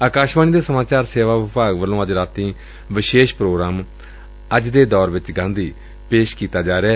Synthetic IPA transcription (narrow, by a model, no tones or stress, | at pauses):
aːkaːʃbaːniːd̪eːsəmaːt͡ʃaːɾseːʋaːʋɪpaːɡʋəlːõːəd͡ʒɾaːt̪ĩː | ʋɪʃeːʃpɾoːɡɾaːm | əd͡ʒd̪eːd̪ɔːɾʋɪt͡ʃɡãːnd̪iː | peːʃkiːt̪aːd͡ʒaːɾɛː